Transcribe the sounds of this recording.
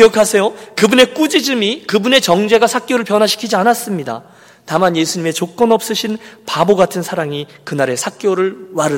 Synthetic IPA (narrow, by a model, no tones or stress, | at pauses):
iʌkʰasʰe̞jokɯbune̞k͈ud͡ʑid͡ʑɯmikɯbune̞t͡ɕʌŋd͡ʑe̞ɡasʰak̚k͈joɾɯɭpjʌnwaɕʰi̥kʰid͡ʑianas͈ɯmɲida̰ | tamanje̞sʰuɲime̞t͡ɕok͈ʌnʌp̚s͈ɯɕʰinpaboɡatʰɯnsʰaɾaŋi | kɯnaɾe̞sʰak̚k͈joɾɯɭwaɾɯ